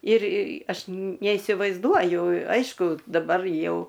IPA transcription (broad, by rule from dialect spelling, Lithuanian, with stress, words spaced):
ɪr ˈɐʃ nʲɛɪsʲɪʋɐɪzˈduɔjʊ ˈɐɪʃkʊ dɐˈbɐr ˈjɛʊ